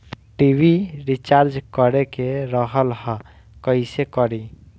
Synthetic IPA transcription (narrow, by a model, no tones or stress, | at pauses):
ʈibiɾit͡ʃaɾd͡ʒkəɾekeɾəɦəlhə̃ | kəɪsekəɾi